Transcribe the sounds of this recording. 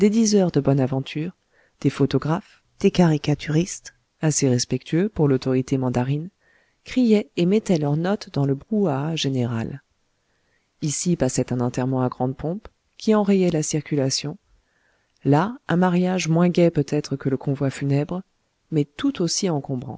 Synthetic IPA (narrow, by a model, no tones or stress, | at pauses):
d̪̥ed̪izœʁd̪əbɔnavɑ̃t̪ʰyːʁ | d̪̥efot̪ɔɡʁaf | d̪̥ekaʁikat̪ʰyʁist̪ | aseʁɛspɛk̚t̪ʰɥøpuʁlot̪ɔʁit̪emɑ̃d̪aʁin | kχijɛemɛt̪ɛlœʁnɔt̪d̪ɑ̃ləbʁuaʒeneʁa̰l | isipasɛt̪ɛ̃nɑ̃t̪ɛʁmɑ̃aɡʁɑ̃d̪pʰɔ̃p | kʲiɑ̃ʁejɛlasiʁkʲylasjɔ̃ | laɛ̃maʁjaʒmwɛ̃ɡʲɛpøt̪ɛt̪χəkələkʰɔ̃vwafynɛbʁ | mɛt̪ut̪osiɑ̃kɔ̃bʁɑ̰̃